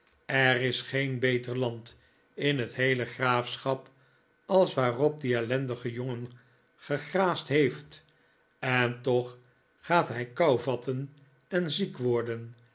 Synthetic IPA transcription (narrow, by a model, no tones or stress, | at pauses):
ɛrɪsχejnbejtəɹlɑnt | ɪnɦətɦejləχraːfsχɑp | ɑlˠsʋaːrɔp̚diɛlɛndəχəjʊŋən | χəχraːstɦejft | ɛntɔχ | χaːtɦɛjkɑwvɑtʰən | ɛnzikʋɔɹdən